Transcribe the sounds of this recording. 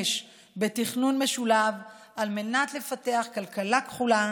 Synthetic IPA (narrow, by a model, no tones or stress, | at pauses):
ʃ | be̞tiχnunme̞ʃulav | alme̞nat̪le̞fate̞aχkalkalakχula